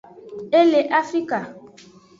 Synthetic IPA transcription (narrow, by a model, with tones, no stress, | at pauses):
e˦le˨ʔa˦fɾi˦ka˨